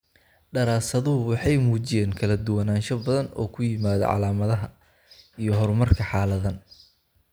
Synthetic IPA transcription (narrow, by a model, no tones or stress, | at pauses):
ɖɐɾaːsɐðʊɦʊwɑħɑjmuːt͡ʃɪjɛːŋkʰɐlɐd̪ʊwɐnaːnʃɐbɐðɐnɔ̰ːkʰʊjɪmaːðɔ̰ʕɑ̰laːmɐðɐɦɐ | ijɞɦɔrmɐrkʰɐħɑːlɐðɐn